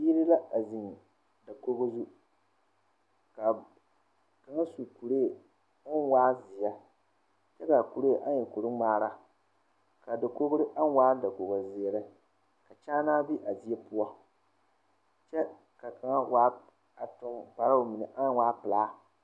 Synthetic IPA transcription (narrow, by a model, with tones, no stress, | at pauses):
piː˦ɾɪ˦la˦a˨zi˨ŋ | da˨ko˦ɣo˦zu˦ | ka˨ | ka˨ŋa˦su˨ku˨ɾeː˦˨˦ | n˦waː˦zɪ˨ja˦ | t͡ʃɛ˦ka˨ku˨ɾe˦˨ʔa˦ɲ˦ɛ˨ku˨ɾɨ˦maː˦ɾa˦ | ka˨da˨ko˦ɣʊ˦ɾɨ˦ʔa˦n˦waː˦da˨ko˨ɣo˨zɪ˨ɛ˨ɾɨ˦ | ka˨t͡ʃaː˦naː˦bi˦ʔa˨di˦ɛ˦pʊ˦ɔ˦ | t͡ʃɛ˦ | ka˨ka˨ŋa˦waː˦ | a˨tʊ˦ŋpa˨ɾa˦o˨mɪ˨nɨ˨ʔa˦n˦waː˦pɨ˨laː˨˦